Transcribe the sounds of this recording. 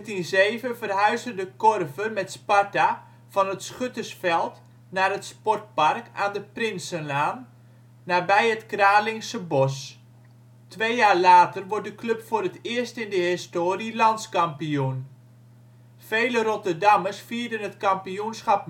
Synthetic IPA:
tinzeːvəvərɦœɥzəndəkɔrvərmɛtsparta | v̥ɑnətsχøtəsfɛlˠt | naːrɦətspɔrt̚pɑrkaːndəprɪnsənaːnː | aːbɛjətkraːlɪŋsəbɔs | tʋeːjjaːrlaːtərʋɔɹt̚dəklɵpfʊːɾətɪːstɪndəɦɪstoːrilɑntskɑmpijun | fejləɾɔtərdɑməsfiːɹdənɦətkɑmpijunsχɑp

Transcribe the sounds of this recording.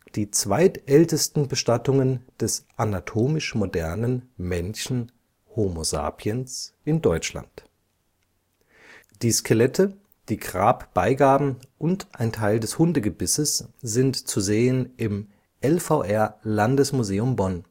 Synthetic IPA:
d̥iːt͡sv̥aɪtʔɛltəstn̩bəʃtatʊŋənd̥ɛsʔanatʰoːmɪʃmodɛɐnənmɛnçn̩ | homoza̰ːpʰiənsʔɪndɔʏt͡ʃla̰nt | d̥iːskʰelɛtʰə | d̥iːɡʁaːpb̥aɪɡaːbm̩ʔʊntʔaɪntʰaɪldɛshʊndəɡəbɪsəsz̥ɪntt͡suzeːənʔɪm | ʔɛlfaʊʔɛɐlandəsmuzeːʊmbɔn

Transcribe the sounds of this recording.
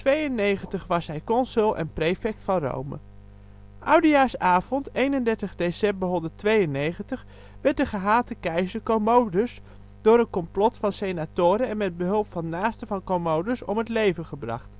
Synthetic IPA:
tʋejənejχəntəχʋɑsɦɛjkɔnsʏlˠʔɛ̰nprejfɛk̚tfɑnro̰wmə̰ | ʔʌwdəjaːɹsaːv̥ɔntejnəndɛɹtəχdesɛmbəɹɦɔndətʋejənejχəntəχ | ʋɛɹt̚dəχəɦaːtəkɛjzəkomowdəs | d̥ʊːɾəkɔmplɔtfɑnsejnatʊːɾəɛnmɛd̚bəɦɵlˠpfɑnːaːstəvɑnkomowdəsɔ̰mətlejvəχəbrɑ̰χt

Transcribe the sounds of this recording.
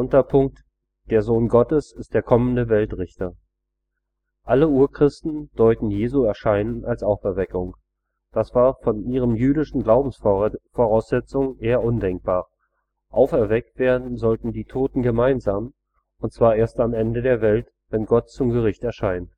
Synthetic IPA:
ʊntɐpʰʊŋk̚t | d̥eːɐzoːnɡɔtəsɪst̚d̥eːɐkʰɔməndəvɛltʁɪçtɐ | ʔaləuːɐkʁ̥ɪstn̩d̥ɔʏtn̩jeːzuɛɐʃaɪnənalsʔaʊfɛɐvɛkʊŋ | d̥asv̥aːɐfɔnʔiːʁ̞əmjyːdɪʃn̩ɡlaʊbm̩sfoʁaʊsz̥ɛt͡sʊŋʔeːɐʔʊndɛŋk̚b̥aːɐ | ʔaʊfɛɐvɛk̚tv̥eːɐdn̩zɔltn̩diːtʰoːtn̩ɡəmaɪnzaːm | ʔʊntt͡sv̥aːɐʔeːɐstamʔɛndədeːɐvɛlt | vɛnɡɔt̚t͡sʊmɡəʁɪçtɛɐʃaɪnt

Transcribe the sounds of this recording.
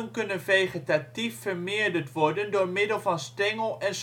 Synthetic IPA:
ənkɵnənvejχitatifːəɹmɪːɹdəɹtʋɔɹdəndoːɹmɪdəlˠvɑnstɛŋəlˠɛns

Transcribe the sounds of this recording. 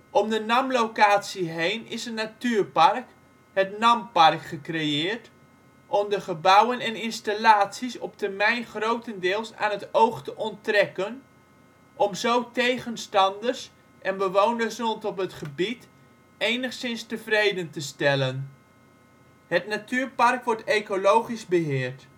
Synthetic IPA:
ʔɔmdənɑmlowkaːtsiɦejnɪsənatyːrpɑrk | ɦətnɑmpɑrkχəkrejɪːɹt | ʔɔmdəχəbʌwənɛnɪnstalaːtsisɔp̚təɹmɛjnχrowtəndɪːlˠsa̰ːnɦətowχtəʔɔntrɛkən | ʔɔmzowtejχənstɑndərs | ʔɛnbəʋownəɹsɔntɔpɦətχəbit | ejnəχsɪnstəvrejdəntəstɛlən | hətnatʰyːɹpɑrkʋɔɹtejkolowχizbəɦɪːɹt

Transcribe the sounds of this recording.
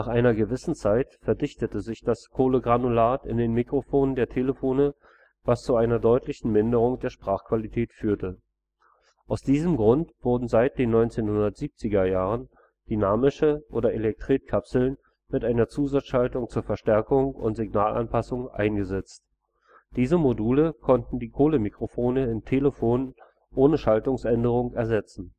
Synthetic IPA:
naːχʔaɪnɐɡəvɪsn̩t͡saɪtfɛɐdɪçtətəzɪçd̥askʰoːləɡʁanulaːtɪ̰ndeːnmikʁ̥ofoːnəndeːɐtʰeːləfoːnə | vast͡suaɪnɐdɔʏtlɪçn̩mɪndəʁ̞ʊŋd̥eːɐʃpʁ̥aːχkv̥alitʰɛːtfyːɐtə | ʔaʊsd̥iːzəmɡʁʊntv̥ʊɐdn̩zaɪt̚d̥eːnːɔʏnt͡seːnhʊndɐtz̥iːp̚t͡sɪɡɐjaːʁən | d̥ynaːmɪʃəʔoːdɐʔelɛk̚tʁ̥iːt̚kʰapsl̩n | mɪtʔaɪnɐt͡suːzat͡sʃaltʊŋt͡suːɐfɛɐʃtɛɐkʊŋʊ̰ntz̥ɪɡnaːlʔa̰npʰasʊŋʔa̰ɪnɡəzɛt͡st | d̥iːzəmoduːləkʰɔntn̩diːkʰoːləmikʁ̥ofoːnəɪntʰeːləfoːn | ʔoːnəʃaltʊŋsʔɛndəʁ̞ʊŋɛɐzɛt͡sn̩

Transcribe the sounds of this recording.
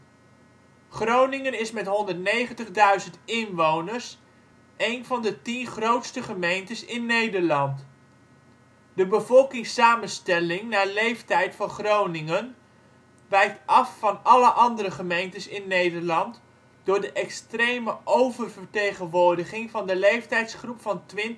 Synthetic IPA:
χrownɪŋənɪsmɛtɦɔndəɹtnejχəntəχdœɥzəntɪnʋownəɹs | ʔejnvɑndətinχrowtstəχəmejntəsɪnːejdəɹlɑnt | dəbəvɔlˠkɪŋsaːmənstɛlɪŋnaːɹlejftɛjtfɑnχrownɪŋən | ʋɛjk̚tɑfːɑnɑləʔɑndəɾəχəmejntəsɪnːejdəɹlɑnt | d̥ʊːɹdəʔɛkstrejməʔowvərvəɹtejχənʋʊːɹdəχɪŋvɑndəlejftɛjtsχrupfɑntʋɪn

